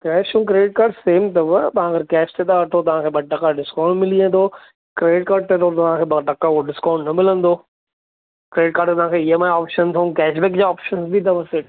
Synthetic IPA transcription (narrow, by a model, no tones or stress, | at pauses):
kɛːʃũːk̬ɾeːɖɪʈ̚kaːɾɖseːmt̪ɐʋɐt̪ɐɦãɡɐɾkɛːʃt̪ʰeɗ̪aʋɐʈʰot̪ɐʋ̤ãkʰeːɓɐɖ̚ʈɐkaɖɪskãːʊ̃ɳɖmɪliə̃nd̪o | kɾeːɖɪʈ̚kaːɾɖ̚t̪et̪ot̪ɐʋ̤ãkʰeːbɐʈɐkaoɖɪskãːʊ̃ɳɖnɐmɪlə̃nd̪o | kɾeːɖɪʈ̚kaːɾɖt̪ɐʋ̤ãkʰeɪɦəmãaːpʃənt̪ʰɐũkɛːʃbɛːk̚d͡ʑaːɔːpʃənsbit̪ɐʋɐseʈ